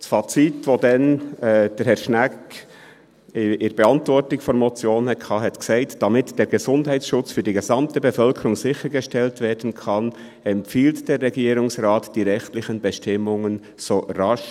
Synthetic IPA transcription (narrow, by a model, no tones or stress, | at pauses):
sfat͡sitvoːdɛnɛːd̥ɛɾhɛʃnæk | ɪʔɪɾbeɑntvɔɾtɪçfɔnmɔt͡sjoːnhɛkʰɑːhɛtksaɪtd̥amɪtd̥eːɾɡəzʊndhaɪtsʃʊt͡sfyːdiːɡezɑmtəbəfœlkʰəɾʊŋzɪçəɾɡəʃtɛltveːɾdn̩kʰɑn | ɛmpfiːltd̥eːɾːɛɡiːɾʊŋsʁaːtd̥iːɾɛxtlɪçənbəʃtɪmʊŋən | z̥oːɾɑʃ